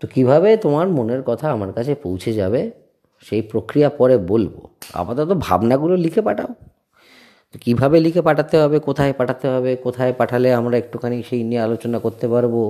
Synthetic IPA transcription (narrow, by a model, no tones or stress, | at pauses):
t̪okibʱabet̪omaɾmoneɾkɔt̪ʰaamaɾkat͡ɕʰepowt͡ɕʰed͡ʑabe | ʃejpɾokɾijapɔɾebolbo̰a̰pat̪ot̪̬obʱa̰bnaɡulolikʰepaʈʰa̰o | t̪okibʱabelikʰepaʈʰat̪eɦɔbekot̪ʰaepaʈʰat̪eɦɔbekot̪ʰaepaʈʰaleamɾaek̚ʈukʰaniʃejniealot͡ɕonakoɾt̪epaɾbo